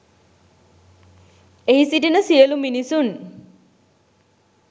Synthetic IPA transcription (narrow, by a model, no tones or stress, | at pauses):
eɦisiʈinəsiəluminisun